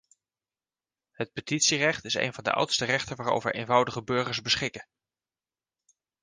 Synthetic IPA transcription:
hət̚pətitsirɛχtɪsḛjnvɑndə̰ʔʌ̰wtstərɛχtənʋaːɹo̰wvə̰ɹʔejnvɑwdəχəbʏɹχəɹsbəsχɪkə

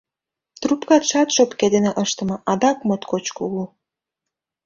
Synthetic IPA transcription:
t̪rupkɑt̪ʃɑt̪ʃopked̪eneʔəʃt̪ə̆mɤ̆ʔɑd̪ɑkmot̪kot͡ɕkuɣu

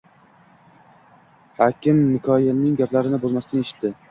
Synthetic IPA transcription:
hɒkʲɪmnɪkʰɒjɪlnɪŋɡʲaplaɾɪnɪbolˠmasɪnɪeʃɪ̥t̪d̪ɪ

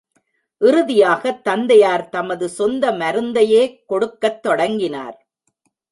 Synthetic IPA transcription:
ʔɪɾɯðɪjaːɣɐt̪ːɐnd̪ɐjaːɾt̪ɐmɐðɯsɔnd̪ɐmɐɾɯnd̪ɐjeːkɔɽɯkːɐt̪ːɔɽɐŋɡɪna̰ːɾ

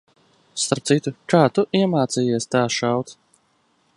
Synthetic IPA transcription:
st̪aɾp̚t̪sit̪ukaːt̪uʔiɛmaːt̪siːjiɛst̪aːʃawt̪s

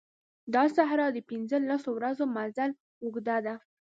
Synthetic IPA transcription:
d̪ɑsaɦɾɑd̪əpinzəlasowɾazomazal | uɡd̪ad̪a

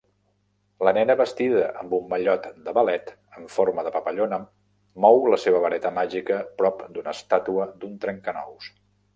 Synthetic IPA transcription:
lənɛnəβəst̪iðəʔəmbumːəʎɔt̪d̪əβəlɛt̪ | əɱfoɾməðəpəpəʎonə | mɔwləseβ̞əβəɾɛt̪əmaʒikəpɾɔpd̪unəst̪at̪uəd̪unt̪ɾɛŋkənɔ̰ws

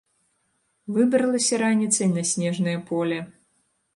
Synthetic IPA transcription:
vɨbɾɐlˠɐsʲɐɾanʲit̪sɐjnɐsʲnʲɛʐnɨjɐpʰɔlʲɛ

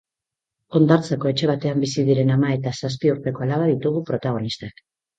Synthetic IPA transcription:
o̞nd̪aɾt͡seko̞e̞t͡ʃe̞βat̪e̞ambisiðiɾe̞namae̞t̪asas̬piuɾt̪e̞ko̞alaβ̞aðit̪uɣupɾo̞t̪aɣ̞o̞nist̪ak

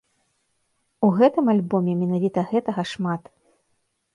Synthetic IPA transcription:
uɣɛt̪ɨmalʲbɔmʲɛmʲɛnavʲit̪ɐɣɛt̪ɐɣɐʂmat̪

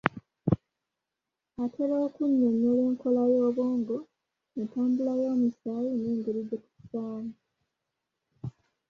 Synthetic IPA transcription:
atʰe̞ɾoːkuɲːoɲoːleːŋko̞lajoːβoːŋɡo̞ | netaːmbulajoːmusaːjiniːŋɡeɾid̪ːeku̥faːmu

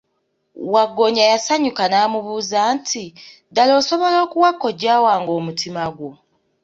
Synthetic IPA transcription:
waɡːo̞ɲajasaɲukanaːmuβuːzaːntʰidalo̞ːso̞βo̞loːkuwakːo̞ɟaːwaːŋɡo̞ːmutʰimaɡwo

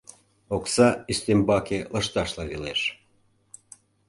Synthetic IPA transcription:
oksɑyst̪embɑkeləʃt̪ɑʃlɑβeleʃ

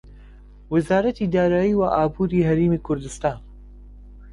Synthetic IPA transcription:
wɪzaːɾɐt̪id̪aːɾaːjiːwaʔaːbuːɾiːɦɐɾeːmiːkʰʊɾd̪ɨst̪aːn

